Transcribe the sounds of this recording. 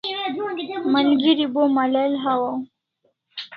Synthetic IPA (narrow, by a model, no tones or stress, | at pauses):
mənɡiɾibomalalɦawaw